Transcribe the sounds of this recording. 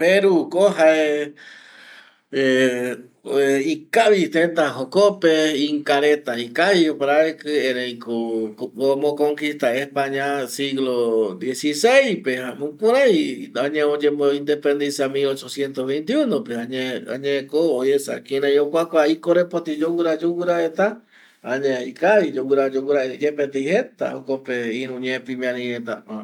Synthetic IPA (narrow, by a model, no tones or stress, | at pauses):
peɾukoɦae | ikaβit̪ent̪aɦokopeiŋkaɾet̪aikaiopaɾaekɨeɾejkoomõkoŋkist̪aespaɲãsiɣlod̪jesisejpeamũkũɾajaɲẽod͡ʒemoĩnd̪epend̪isiamilot͡ʃosjent̪oβejnt̪iunopeãɲea̰ɲẽkoːjesa̰kĩnãj̃okʷakʷaikoɾepot̪id͡ʒowuɾad͡ʒowuɾaet̪a | aɲẽikaβid͡ʒowɨɾad͡ʒowuɾaeɾed͡ʒepet̪ejhet̪a̰hokopeiɾũɲẽpimĩãnĩet̪aa